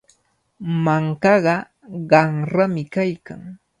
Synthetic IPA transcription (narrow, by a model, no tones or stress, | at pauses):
maŋkɑɢɑ | ɢɑŋɾamɪkajka̰ŋ